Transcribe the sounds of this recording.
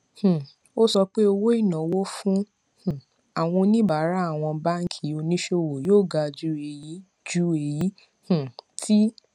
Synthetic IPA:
h̩˨ | o˦sɔ˧k͡pe˦o˧wo˦i˦˨nã˨wo˦fũ˦ | h̩˨ | a˨w̃ɔ̃˧nĩ˦ba˨˦ɾa˦a˦˨w̃ɔ̃˧ba˦ŋ̩˦kʰi˨˦o˧nĩ˦ʃe˧˨wo˨joː˦˨ɡa˧d͡ʒu˨˦e˨ji˨˦ | d͡ʒu˨˦e˨ji˨˦ | h̩˨tʰi˦

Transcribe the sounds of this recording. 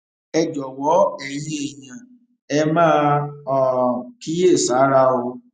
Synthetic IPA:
ɛ˧d͡ʒɔ˨wɔ˨˦ɛ˦˨jẽ˦e˨jã˨ | ɛ˧mãː˦ɔ˧ki˦e˦˨sa˨˦ɾa˧o˧

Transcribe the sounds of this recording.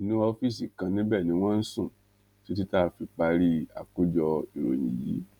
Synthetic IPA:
i˨nũ˦ɔ˧fi˦s̬i˨kã˧nĩ˦bɛ˦˨nĩ˨˧˦w̃ɔ̃˦n̩˦sũ˦˨ | ti˦t̬i˦ta˦˨˧fi˧k͡pa˧ɾi˦a̰˨ko˦d͡ʒɔ˧i˨ɾo̰˨jḭ̃˨jḭ˨˦

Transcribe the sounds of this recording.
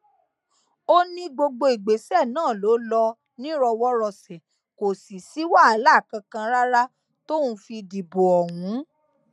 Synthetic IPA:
o˦nĩ˦ɡ͡bo˧ɡ͡bo˧i˨ɡ͡be˨˦sɛ˦˨nãː˦˨lo˨˦lɔ˧ | nĩ˦ɾɔ˧wɔ˦ɾɔ˧˨sɛ˨ | ko˨si˨si˨˦wa˦˨a˨˦la˦˨kã˧kã˧ɾa˦ɾa˦ | to˦ũ˧fi˧di˨bo˨ɔ˨wũ˨˦

